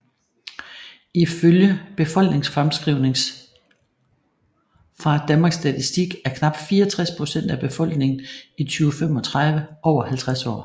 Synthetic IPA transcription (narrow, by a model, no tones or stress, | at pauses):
iføljəb̥e̝fɒ̽l̰ɡ̥ne̝ŋsfʁamsɡ̥ʁiʊ̰ne̝ŋs | fɑ̈d̥ænmɑ̈ːɡ̥sd̥æt͡sʰisd̥iɡ̥æɐkʰnɑ̈b̥̚d̥fiːɐɒt͡sʰʁaspʰʁo̝sen̰d̥æb̥e̝fɒ̽l̰ɡ̥ne̝ŋn̩it͡sʰyːʊəfem̰ɒ̽t͡sʰʁɑð̞ˠʋəʔɒʊ̰ɐhælt͡sʰʁasɒ̰ː